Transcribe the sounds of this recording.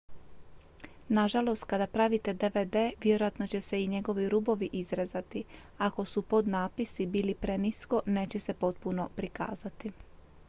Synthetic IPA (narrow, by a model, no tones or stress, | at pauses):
naʒalo̞st̪̚kad̪apɾaʋit̪e̞d̪e̞ʋed̪e̞ːʋjeɾojat̪no̞t͡ɕe̞se̞iɲe̞ɡo̞ʋiɾubo̞ʋiʔizɾezat̪i | ako̞supo̞d̪naːpisibiːlipɾe̞nisko̞ne̞ːt͡ɕe̞se̞po̞t̪̚puno̞pɾika̰ːzat̪i